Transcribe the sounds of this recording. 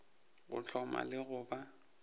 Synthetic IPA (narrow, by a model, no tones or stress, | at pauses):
ɣʊ̰t͡ɬʰɔma̰lɪɣʊba